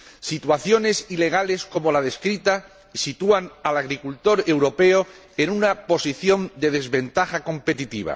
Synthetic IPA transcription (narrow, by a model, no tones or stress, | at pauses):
sit̪waθjo̞ne̞sile̞ɣ̞ale̞sko̞mo̞laðe̞skɾit̪a | sit̪uanalaɣɾikult̪o̞ɾe̞wɾo̞pe̞o | enunapo̞siθjo̞nd̪e̞ð̞e̞zβe̞nt̪axako̞mpe̞t̪it̪iβ̞a̰